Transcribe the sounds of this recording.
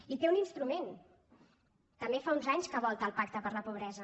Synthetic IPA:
it̪euninst̪ɾumen | t̪əmbefaunzaɲskəβ̞ɔlˠt̪əːlˠpak̚t̪əpəɾləpuβ̞ɾɛzə

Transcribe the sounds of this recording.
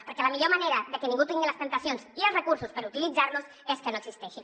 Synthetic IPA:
pəɾkɛləmiʎoməneɾəðəkənĩŋɡut̪iŋɡiləst̪ənt̪əsjonsiəlzrəkuɾsuspəɾut̪ilid͡zaɾluz | eskənoəɡsist̪ɛʃi

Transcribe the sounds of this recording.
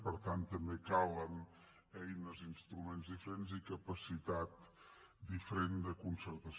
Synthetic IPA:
pəɾt̪ant̪ːəmbekawən | ɛjnəzinst̪ɾumenzðifəɾenzikəpəsit̪at̪ | d̪ifəɾend̪əkunsəɾt̪əs

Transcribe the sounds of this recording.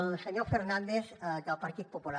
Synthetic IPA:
lseɲofeɾnãnd̪esɡ̪alpaɾt̪it̪̚popula

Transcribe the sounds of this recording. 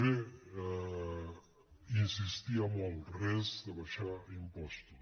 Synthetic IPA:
e | insist̪iɐmɔlˠrɛzd̪əβaʃaimpɔst̪u

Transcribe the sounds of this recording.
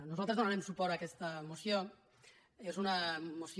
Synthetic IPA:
nozalˠt̪ɾezonaɾemsupoɾakest̪amosjon | ezunamosj

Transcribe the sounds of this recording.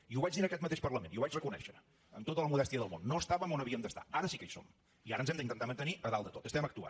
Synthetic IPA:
iuβad͡ʒðinaəkɛt̪mət̪eʃpəɾləmeniuβat͡ʃrəkunɛ̰ʃə | ənt̪ot̪ələmuðɛst̪iəðəlˠmo̰nːoəst̪aβəmonəβiəmd̪əst̪a̰aɾəsikejso̰m | iaɾənzɛmd̪əint̪ənt̪amənt̪əniʔəðalˠd̪ət̪ot̪əst̪ɛməkt̪ua̰

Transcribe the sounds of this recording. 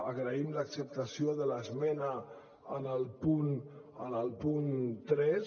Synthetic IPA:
əɣɾəimləksəp̚t̪əsioðələzmɛnə | ənəlˠpunənəlˠpunt̪ɾɛs

